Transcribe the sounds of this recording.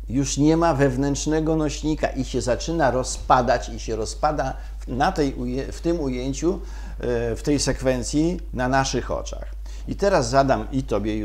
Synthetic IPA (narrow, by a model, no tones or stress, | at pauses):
juʂɲɛmavɛvnɛntʂnɛɡɔnɔɕɲika̰ʔiɕɛzat͡ʂɘnaɾɔspad̪at͡ɕiɕɛɾɔspad̪a | nat̪ɛjujɛft̪ɘmujeɲt͡ɕu | ft̪ɛjsɛkfɛnt̪sʲji | nanaʂɘxɔ̰t͡ʂa̰x | it̪ɛɾazːad̪amit̪ɔbʲjɛ